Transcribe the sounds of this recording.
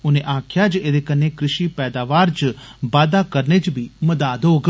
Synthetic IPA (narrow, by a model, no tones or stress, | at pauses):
uneʔãːkʰjad͡ʒeɾekənːekɾɪʃipɛːd̪aʋaɾd͡ʒbaːd̪akəɾned͡ʒbʱiməd̪aːd̪oɡ